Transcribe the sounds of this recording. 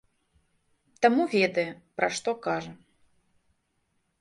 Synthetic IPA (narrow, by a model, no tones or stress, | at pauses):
t̪amuvʲɛd̪ɐjɛpɾaʂt̪ɔkaʐɐ